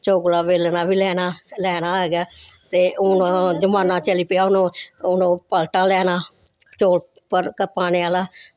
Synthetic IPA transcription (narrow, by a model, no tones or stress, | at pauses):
t͡ʃoːɡlaːʋeːlnaːbiːlɛːnaːlɛːnaːɦɛːɡaːt̪eːʔʊnõːd͡ʒəmaːnãːt͡ʃəliːpɪaːʊnõːʊnõːpəlʈaːlɛːnaː | t͡ʃoːɽ | pəɾkəpaːneːaːlaː